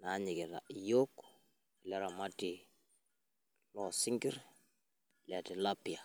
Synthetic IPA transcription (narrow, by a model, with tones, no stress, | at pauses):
na˨˦ɲi˨ki˨ɾa̰˨jo˦k | lɛ˦ɾa˨ma˦ti | lɔ˨sɪ˦ŋɡi˦ɾ | la˨ti˨la˦pi˨ja˨